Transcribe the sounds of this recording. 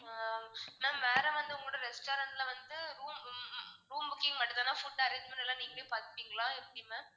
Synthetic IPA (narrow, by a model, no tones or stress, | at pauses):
nãːmeːɾɐ̃ʋɐnd̪ɯʊŋɡɐɭoːɽɐɾɛsʈoːɾɐnʈlɐʋɐnd̪ɯɾuːmɾuːmbʊkːiŋɐʈːɯt̪ːaːnaːfʊʈːɐɾɐd͡ʒmɐnʈɛlːãːniːŋɡɐɭijpaːɾt̪ɯpiːŋɡɐɭãːɛpːɐɽɪjmːɐ